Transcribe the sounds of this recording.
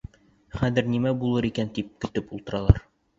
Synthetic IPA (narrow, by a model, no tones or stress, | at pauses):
χæðɘ̆ɾnimæbulˠɤɾikænt̪ip̚kɵ̆t̪ɘpulˠt̪ɤ̆ɾɑlˠɑ̰ɾ